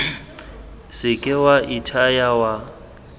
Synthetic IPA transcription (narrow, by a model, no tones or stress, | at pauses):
sɪkʼɪwaʔitʰajawa